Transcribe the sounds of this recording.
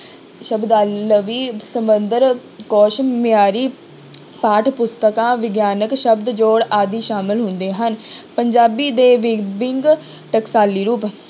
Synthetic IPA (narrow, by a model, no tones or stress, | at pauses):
ʃəbd̪aːlːəʋiːsəmənd̪əɾ | kɔːʃmɪaːɾiː | paːʈʰpʊst̪əkãːʋɪɡjaːnəkʃəbd̪d͡ʒoːɽaːd̪iːʃaːmɪlɦʊnd̪eːɦənpəɲd͡ʒaːbiːd̪eːʋɪbɪŋɡ | ʈəksaːliːɾuːp